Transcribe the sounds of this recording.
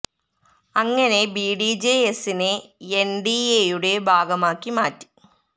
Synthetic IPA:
ɐŋːɐne̞biːɖid͡ʑeesineenɖiejuɽe̞bʱaːɡɐmaːkːimaːtːi̥

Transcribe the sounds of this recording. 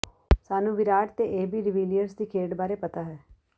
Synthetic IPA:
saːnũːʋɪɾaːʈ̚t̪eʔeːbiːɾɪʋiːljəɾsd̪iːkʰeːʈbaːɾepət̪aɦɛː

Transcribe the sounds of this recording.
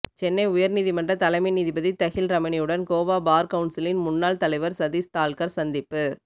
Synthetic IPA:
t͡ʃɛnːɐɪʊjɐɾniːðimɐndrɐt̪ɐlɐɪmɐɪniːðibɐðit̪ɐɣɪlɾɐmɐɳɪjɯɽɐnkoːʋaːbaːɾkɐʊɳsɐlɪnmʊnːaːlt̪ɐlɐɪʋɐɾsɐðiːst̪aːlkɐɾsɐnd̪ɪpːɯ

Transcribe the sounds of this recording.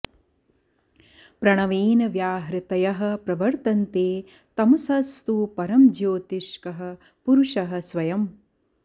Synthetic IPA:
pɾɐɳɐʋiːnɐʋjaːɦɾɐt̪ɐjɐɦɐ̆pɾɐʋɐɾt̪ɐnt̪eː | t̪ɐmɐsɐst̪upɐɾɐmd͡ʒjoːt̪iʂkɐɦɐ̆ | puɾuʂɐɦɐ̆sʋɐjɐm

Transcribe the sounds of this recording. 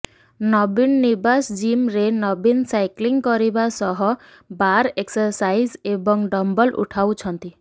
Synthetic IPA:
nɔbinːibasd͡ʒimɾenɔbinsajkliŋkɔɾibasɔɦɔ | baɾeksɔɾsajzebɔŋɖɔmbɔlʔṵʈʰawt͡ʃʰɔnt̪i

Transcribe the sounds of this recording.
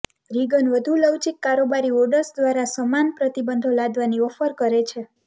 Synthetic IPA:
ɾiɡənʋəd̪ʱuləwt͡ʃikːaɾobaɾioɾɖəɾsd̪ʋaɾasəmanpɾət̪ibənd̪ʱolad̪ʋaniʋəfəɾkəɾet͡ʃʰe

